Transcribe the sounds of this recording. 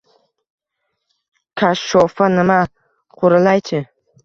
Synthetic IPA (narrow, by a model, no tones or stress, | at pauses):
kʰaʃːɔfanɪma | qʰoɾɪlajt͡ʃʰɪ